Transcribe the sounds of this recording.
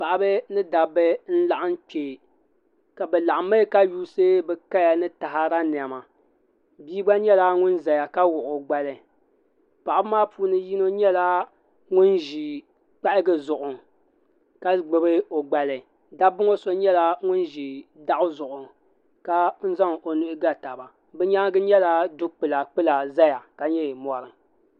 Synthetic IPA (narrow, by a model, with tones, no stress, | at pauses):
pa˨ʔa˨bɨ˦nɨ˦da˨bɨ˦n̩˦la˦ʔa˦n˦k͡peː˨ | ka˨bɛ˨la˨ʔa˨ma˦ka˦juː˦sɨ˦bɛ˨ka˦ja˨nɨ˦ta˨ɦa˦ɾa˦nɪ˨a˨ma˨ | biː˦ba˦ɲɛ˦la˦ŋʊ˦nza˨ja˨ka˦wʊ˨ʔʊ˨ɡ͡ba˨lɨ˨ | pa˨ʔa˦bmaː˦puː˦nɨ˦ji˦no˦ɲɛ˦la˦ | ŋʊ˦nʒi˨ | k͡pa˦ʔɪ˦ɡɨ˦zʊ˨ʔʊ˨ŋ | ka˦ɡ͡bɨ˨bɨ˦o˨ɡ͡ba˨lɨ˨ | da˦bʊ˦ŋo˦so˦ɲɛ˦la˦ŋʊ˦nʒi˨da˦ʔʊ˦zʊ˨ʔʊ˨ŋ | ka˦n̩˦za˦ŋo˨nʊ˦ʔɪ˦ɡa˦ta˨ba˨ | bɨ˦ɲa˦ŋ˦ɡɨ˦ɲɛ˦la˦dʊ˦k͡pɨ˨la˨k͡pɨ˦la˨za˦ja˨ka˨ɲɛ˦˨mɔ˨ɾɨ˨ŋ